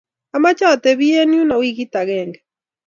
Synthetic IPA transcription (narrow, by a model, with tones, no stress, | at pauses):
ama˦t͡ʃa˦˨tɛ˨βi˦e˦nju˦na˨wi˦ɣi˦ta˨ɣɛːŋɡɛ